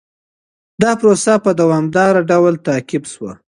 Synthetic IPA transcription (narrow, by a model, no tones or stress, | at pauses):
d̪ɑpɾosapəd̪awɑmd̪ɑɾaɖawlt̪ɑkɪbswə